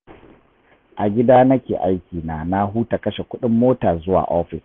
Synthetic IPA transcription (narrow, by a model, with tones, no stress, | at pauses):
ʔa˨ɡʲɪ˦daː˦nɐ˦kʲeː˨ʔa˦jkʲiː˨naː˨na˦ɦuː˦ta˨kɐ˦ʃe˨kʷʊ˦ɗɪ˦mːoː˦taː˨zʊ˦wa̰ː˨ʔɔː˦ɸɪ˨s